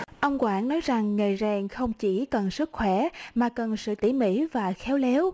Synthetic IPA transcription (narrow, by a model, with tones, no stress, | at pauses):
ʔə˧wŋ͡mkwaː˧˥nːɔ˨˦jza˨˩ŋːəː˨˩jzɛː˧˩ŋxə˧wŋ͡mt͡ɕi˧˩kə˨˩nsɨ˦˥k̚xwɛ˧˩maː˨˩kə˨˩nsɨ̰˧˨t̪ḭ˧˩mḭ˧˥vaː˨˩xɛ˨˦wle˨˦w